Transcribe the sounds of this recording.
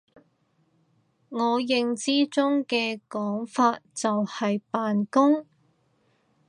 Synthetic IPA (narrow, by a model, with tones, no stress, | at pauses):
ŋɔː˨˧jɪ˧ŋt͡siː˥t͡sʊ˥ŋkɛː˧kɔː˨˥ŋfaː˧t̚t͡sɐ˨whɐ˨jpaː˨nkʊ˥ŋ